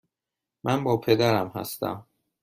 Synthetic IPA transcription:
mʔænbɒːpʰe̞d̪æɾæmhæ̰st̪æ̰m

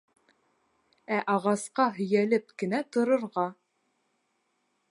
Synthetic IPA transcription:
æʔɑʁɑsqɑɦɵ̆jælɘpkɘ̆næt̪ŏɾɤ̆ɾʁɑ

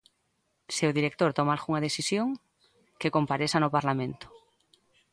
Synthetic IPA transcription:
sewðiɾek̚t̪oɾt̪omalxuŋað̞esisjoŋ | kekompaɾesanopaɾlamẽnt̪ʊ̥

